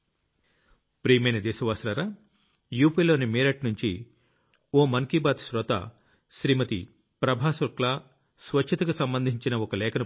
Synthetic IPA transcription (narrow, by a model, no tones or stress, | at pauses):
pɾiːmeːnɐd̪ɛːsɐʋaːsɾaːɾaː | juːpiːlo̞ːnimiːɾɐʈnuɲt͡ʃi | oːmɐŋkibaːt̪ʃɾɔt̪a̰ | ʃɾiːmɐt̪ḭ | pɾɐbʱaːsɐklaː | sʋɐt͡ʃt͡ʃʰːɐt̪ɐkusɐmbɐnd̪ʱiɲt͡ʃinɐɔkɐlɛːkʰɐnɐ